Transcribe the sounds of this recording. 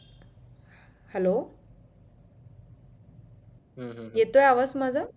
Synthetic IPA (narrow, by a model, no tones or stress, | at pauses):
hɛlo | jet̪ojaʋasmad͡zʱa